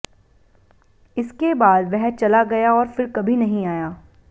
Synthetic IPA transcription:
ɪskebaːd̪ʋɛɦt͡ʃɐlaɡɐjaɔːɾfɪɾkɐbʱinɐɦĩaːjaː

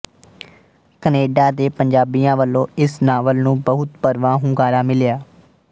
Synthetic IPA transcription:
kəneːɖaːt̪eːpəɲd͡ʒaːbiːjãːʋəlːõːɪsnaːʋəlnũːbəɦʊt̪pəɾʋãːɦʊ̃ŋkaːɾaːmɪljaː

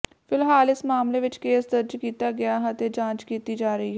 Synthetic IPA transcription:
fɪlɦaːlɪsmaːmleːʋɪt͡ʃkeːsd̪əɾd͡ʒkiːt̪aːɡɪaːɦɛt̪ed͡ʒãːt͡ʃkiːt̪iːd͡ʒaːɾəiːɦɛː

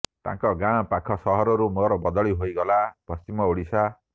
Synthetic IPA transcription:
t̪ã̰ŋkɔɡãpakʰɔsɔɦɔɾɔɾumɔɾɔbɔd̪ɔɭiɦojɡɔlapɔst͡ʃimɔoɽisʰa

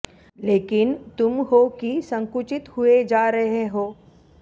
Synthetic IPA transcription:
leːkɪnt̪ʊmɦokisɐ̃ŋkʊt͡ʃɪt̪hued͡ʒaːɾɐɦeɦoː

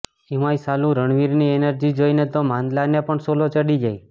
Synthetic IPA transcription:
iʋajsalũɾəɳ̃ʋiɾnienəɾd͡ʒid͡ʒoinet̪omãnd̪lanepəɳsolot͡ʃəɽid͡ʒaj

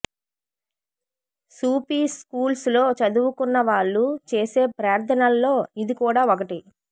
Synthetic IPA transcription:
suːpiːskuːlslo̞ːt͡ʃɐd̪uwukunːɐʋaːɭːut͡ʃe̞ːse̞ːpɾaːɾt̪ʰɐnɐlːo̞ːid̪ikuːɽaːokɐʈi

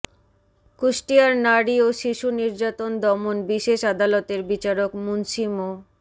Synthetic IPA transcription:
kuʃʈiaɾnaɽioʃiʃuniɾd͡ʑat̪ond̪ɔmonbiʃeʃad̪alot̪eɾbit͡ɕaɾokmunʃimo

